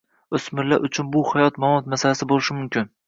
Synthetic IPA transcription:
ʊsmɪɾla̰ʔʊt͡ʃʰʊnbʊhajɒt̪mamɒt̪masalasɪbolɪʃɪmʊmkʲɪn

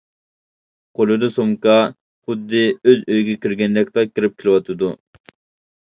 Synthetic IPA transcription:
qʰolˠɨd̪ɨsoŋkɑ | χʊd̪ːɪøzøjɡʲɛkʲiɾɡʲɛnd̪ɛk̚ʲt̪ɑkʲʰɪɾɪp̚kʲʰilɪwɑt̪ʰɨd̪u

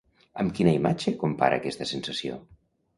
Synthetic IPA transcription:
əmkinəimat͡ʃəkumpa̰ɾʔə̰ːkɛst̪əsensəsio̰

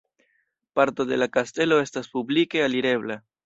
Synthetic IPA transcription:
paɾto̞de̞lakaste̞lo̞e̞staspublike̞aliɾe̞βla

